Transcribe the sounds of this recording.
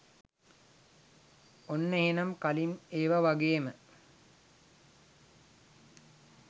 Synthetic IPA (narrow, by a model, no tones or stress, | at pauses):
onːeɦenɐmkalimeːʋaʋaɡeːmə